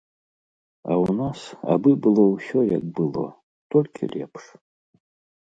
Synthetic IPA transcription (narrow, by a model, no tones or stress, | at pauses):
a̰wnasa̰bɨbɨlˠɔwsʲɔja̰k̚bɨlˠɔ̰ | t̪ɔlʲkʲʰḭlʲɛpʂ